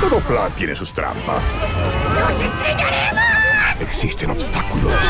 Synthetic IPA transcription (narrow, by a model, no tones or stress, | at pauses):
t̪okoplat̪jenesust̪ɾa̰mpa̰snosest̪ɾejaɾe | eksist̪enobst̪akulo̰